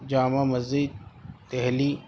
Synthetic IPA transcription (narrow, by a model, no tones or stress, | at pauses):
d͡ʒaːmamɐziːd̪̚t̪eɦliː